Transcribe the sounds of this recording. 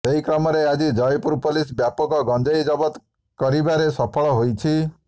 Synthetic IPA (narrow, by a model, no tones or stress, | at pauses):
seɦikɾɔmɔɾead͡ʒid͡ʒɔjpuɾpolisbjapɔkɔɡɔnd͡ʒɔjd͡ʒɔbɔt̪ | kɔɾibaɾesɔpʰɔɭɔɦojt͡ʃʰi